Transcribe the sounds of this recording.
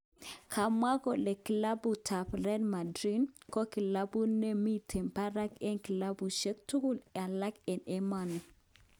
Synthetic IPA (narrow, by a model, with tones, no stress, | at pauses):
kʰa˨mwa˦kɔ˨le˨ki˨la˦bu˨tʰa˨plɛ˦nma˨dɾi˦nkɔ˦ki˨la˦bu˦ne˦mi˦tʰe˨mpa˦ɾa˦ke˦nki˨la˦bu˨ʃe˦k̚tu˦ku˦la˨la˦kɛ˨ne˦ma˨nɔ˨